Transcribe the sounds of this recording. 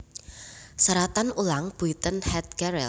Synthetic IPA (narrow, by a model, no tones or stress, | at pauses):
saɾat̪anulaŋb̥uit̪ənhɛt̪̚ɡɛɾɛ̰l